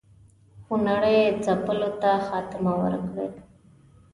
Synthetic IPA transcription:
xunaɽəjd͡zapəlot̪axɑːt̪ɪmawə̰ɾkɽḛd̪

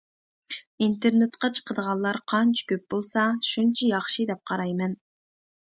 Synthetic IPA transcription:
int̪eɾnet̪qɑt͡ʃʰə̥qʰəd̪əʁɑlˠːɑɾqʰɑnt͡ʃʰɑ̥kʲʰøp̚bolˠsɑʃunt͡ʃʰɑjɑχʃɨd̪ɛp̚qʰɑɾɑjmɛn

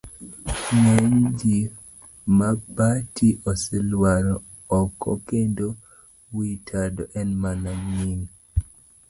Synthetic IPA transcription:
nɛɲd͡ʒi | mabatʰiʔɔsɛlwaɾɔ | ɔkɔ̰kendo | witʰadɔʔɛnmanaɲiŋ

